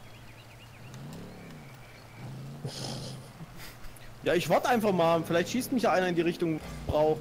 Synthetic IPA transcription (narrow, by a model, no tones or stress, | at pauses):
jaːɪçv̥aɐtəʔaɪnfaχmaːlfɪlaɪçtʃiːstmɪçjaːʔaɪnɐɪndiːʁɪçtʊŋb̥ʁaʊ